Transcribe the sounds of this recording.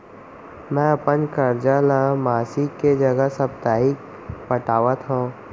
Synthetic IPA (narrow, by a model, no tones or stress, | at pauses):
mɛ̃ɐpənkəɾd͡ʒalamaːsikːed͡ʒɐɡəsəb̚t̪aːik | pəʈaːʋət̪ɦõː